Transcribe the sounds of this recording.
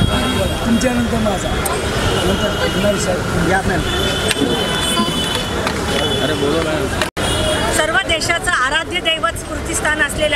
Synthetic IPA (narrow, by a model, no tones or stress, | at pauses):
aiʋət̪umt͡ɕeanə̃nt̪əɾmad͡zʱa | jot̪əɾɡunaʋiɕaj | uɡjat̪najn | əɾebolənajt̪ | səɾʋəd̪eɕat͡saːɾad̪ʱjəd̪ejʋət͡skuɾt̪ist̪ʰanəslelj